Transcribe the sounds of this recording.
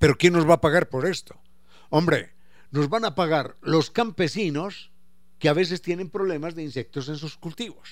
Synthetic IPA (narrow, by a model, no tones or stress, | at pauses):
pe̞ɾokje̞nːo̞zβaːpaɣaɾpo̞ɾe̞st̪o̞̥ | ombɾe̞̰ | no̞zβanapaɣaɾlo̞skampe̞sino̞s | keaβe̞s̬e̞st̪je̞nẽ̞mpɾo̞β̞le̞mazðe̞inse̞k̚t̪o̞s̬e̞ns̬uskult̪iβo̞s